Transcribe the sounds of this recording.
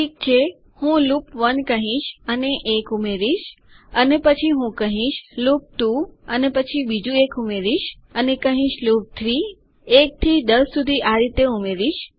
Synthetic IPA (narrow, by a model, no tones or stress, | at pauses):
ʈik̚t͡ʃʰe | hũlupʋənkəɦĩʃəneʔekumeɾiʃ | ənepət͡ʃʰiɦũkəɦĩʃlup̚t̪uənepət͡ʃʰibid͡ʒuekumeɾiʃ | ənekəɦĩʃlup̚t̪ʰɾi | ek̚t̪ʰid̪əsːud̪ʱiʔaɾit̪eumeɾiʃ